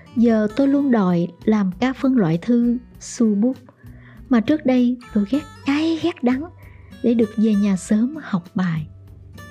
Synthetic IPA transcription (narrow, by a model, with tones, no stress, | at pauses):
zəː˨˩t̪o˧jlu˧ənɗɔ̰˧˨jlaː˨˩mkaː˦˥k̚fə˧nlwa̰ː˧˨jt̪ʰɨ˧ | su˧ɓu˦˥p̚ | maː˨˩t͡ɕɨ˦˥ək̚ɗə˧jt̪o˧jɣɛ˦˥t̚kaː˨˦jɣɛ˦˥t̚ɗa˨˦ŋ | ɗe˧˩ɗɨ˨˩ək̚ve˨˩ɲaː˨˩səː˨˦mha˨˩wk͡p̚ɓaː˨˩j